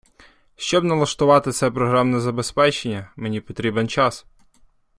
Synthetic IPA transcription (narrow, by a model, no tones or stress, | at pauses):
ʃt͡ʃɔbnɐlˠɐʃt̪ʊʋɑt̪ɪt̪sɛpɾɔɦɾɑmnɛzɐbespɛt͡ʃenʲːɐmenʲipɔt̪ɾʲibent͡ʃɑs